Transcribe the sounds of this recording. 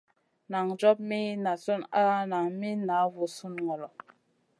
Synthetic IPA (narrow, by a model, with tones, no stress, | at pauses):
na˨ŋd͡ʒɔ˦p̚mi˦na˨su˦na˦na˨ŋmi˦na˨˦wu˨su˦nŋɔ˨lɔ˨